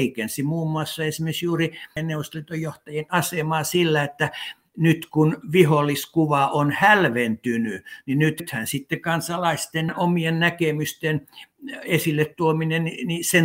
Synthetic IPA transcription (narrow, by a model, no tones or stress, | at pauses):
ikensimuːmːuɑsːɑesimeksjuːrienneuost̪lit̪ojoht̪ɑjenɑsemɑːsilːæet̪ːæ | nyt̪kunʋiholːˑiskuʋɑʔonhælʋent̪ynyninyt̪t̪hænsit̪ːekɑnsɑlɑist̪enomiennækemyst̪en | esilːet̪t̪uomineninisen